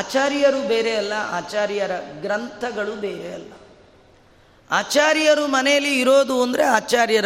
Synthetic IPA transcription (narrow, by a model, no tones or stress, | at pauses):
aːt͡ʃaːɾjɐɾubeːɾeɐlːɐa̰ːt͡ʃaːɾjɐɾɐɡɾɐnt̪ʰɐɡɐɭubeːɾeɐ̰lːɐ | aːt͡ʃaːɾjɐɾumɐnɛjɐlːiːɾo̞ːd̪uɐnd̪ɐɾe̞aːt͡ʃaːɾjɐɾ